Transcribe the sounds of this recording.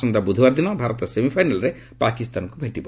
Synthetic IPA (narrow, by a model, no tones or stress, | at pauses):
sɔnd̪abud̪ʱɔbaɾd̪inɔbʱaɾɔt̪ɔsemipʰajnalɔɾe | pakist̪anɔkubʱeʈibɔ